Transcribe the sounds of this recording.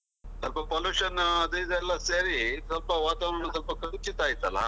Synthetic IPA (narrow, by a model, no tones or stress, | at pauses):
sɐlpɐpoluːʂɐnɐd̪ɐid̪ɛlːɐseːɾisɐlpɐʋaːt̪aʋɐɳɐɳɐsɐlpɐkɐɽit͡ʃit̪aːjit̪ɐlɐ̰